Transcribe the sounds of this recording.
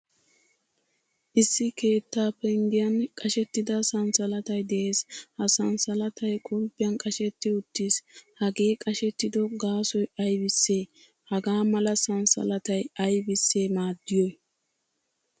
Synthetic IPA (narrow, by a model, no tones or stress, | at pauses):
ʔɪsːɪke̞ːt̪ːaːpːɛɪŋɡɪjɐnkʼɐʃɛt̪ːɪd̪ɐsɐnsɐlɐt̪ɐjd̪ɛʔe̞ːshɐsɐnsɐlɐt̪ʰɐjkʼʊlpːɪjɐnkʼɐʃɛt̪ːɪʊt̪ːiːshɐɡe̞ːkʼɐʃɛt̪ːɪd̪ɔɡaːsɔjɐjbɪsːeː | hɐɡaːmɐlɐsɐnsɐ̰lɐt̪ɐjɐjbɪsːe̞ːmaːd̪ːɪjɔj